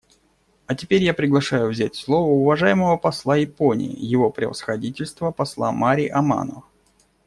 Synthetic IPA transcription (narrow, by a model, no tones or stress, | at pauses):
ɐtʲɪpʲeɾʲjapɾʲɪɡlˠɐʂajʊvzʲætʲslˠo̞vəʊvɐʐajɪməvəpɐslˠajɪponʲɪ̰jɪ̰jɪvo̞pɾʲɪ̰və̰sxɐdʲitʲɪlʲst̪vəpɐslˠa̰maɾʲiʔɐma̰nə̰və